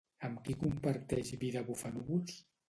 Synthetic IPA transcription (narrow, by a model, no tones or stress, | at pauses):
əmkikumpəɾt̪ɛʃβiðəβufənuβulˠs